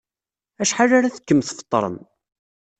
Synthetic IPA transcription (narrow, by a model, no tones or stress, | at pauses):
æʃħarːaɾaθə̥kːəmθfə̥t̪ˤːɾˤə̰m